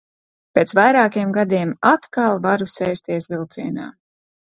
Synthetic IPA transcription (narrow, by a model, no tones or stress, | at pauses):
peːt̪svajɾaːkiɛmɡad̪iɛmat̪kalˠvaɾusɛjst̪iɛsvilˠt̪siɛna̰ː